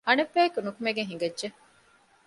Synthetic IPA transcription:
ɐnɐbːæːkunukumeɡeɦiŋɡɐdʒe

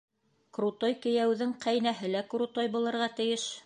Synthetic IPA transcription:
kɾut̪ojkɘ̆jæwðɘŋqʰæjnæɦɘlækɾut̪ojbŭlˠɤ̆ɾʁɑt̪ɘ̆jɘʃ

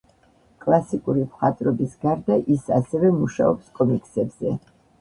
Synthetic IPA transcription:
kʼlˠasikʼuɾipχat̪ʼɾɔbisɡaɾd̪aʔisasɛvɛmuʃa̰ɔpskʼɔmikʼsɛbz̥ɛ

